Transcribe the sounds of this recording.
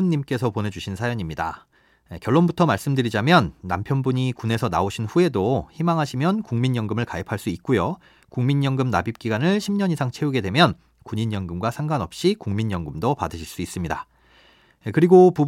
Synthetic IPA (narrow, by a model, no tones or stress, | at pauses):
nːimk͈e̞sʰʌpone̞d͡ʑuɕʰinsʰajʌɲimɲida̰ | ekjʌɭːonbutʰʌmaɭs͈ɯmdɯɾid͡ʑamjʌnːampʰjʌnbuɲikune̞sʰʌna̰oɕʰinɸue̞doçimaŋɦaɕʰimjʌnkuŋmiɲjʌŋɡɯmɯɭkaipʰaɭs͈uit̚k͈ujo | kuŋmiɲjʌŋɡɯmnabip̚k͈iɡwanɯɭɕʰimɲʌnɲisʰaŋt͡ɕʰe̞uɡe̞dwe̞mjʌn | kuɲiɲjʌŋɡɯmɡwasʰaŋɡwanʌp̚ɕ͈ikuŋmiɲjʌŋɡɯmdopadɯɕʰiɭs͈uis͈ɯmɲida | kɯɾiɡopub